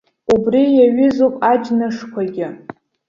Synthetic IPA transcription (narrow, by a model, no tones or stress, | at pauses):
ubrijaɥɪzowpʼad͡ʒnɨʂkʷʰaɡʲɪ